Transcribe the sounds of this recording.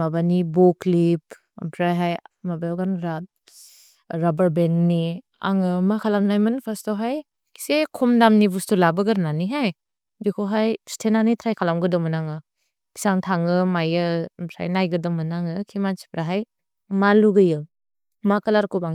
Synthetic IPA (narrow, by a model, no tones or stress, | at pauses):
mabanibɔklip̚ | mpʰɾajɦajmabajawɡanɾat̚ | ɾabəɾbenːi | a̰ŋɯmakʰalamnajmɯnpʰastɔwɦaj | kʰi̥sekʰɔmdamnibustulabɯɡɯɾnaniɦaj | bikʰoɦajstʰenanitʰɾajkʰalamɡɯdɔmɯnaŋɯ | kʰi̥saŋtʰaŋɯmajɯmtʰɾa̰jnajɡɯdɔmɯnaŋɯkʰimansi̥pɾaɦaj | maluɡɯjɯ | makalaɾkubaŋ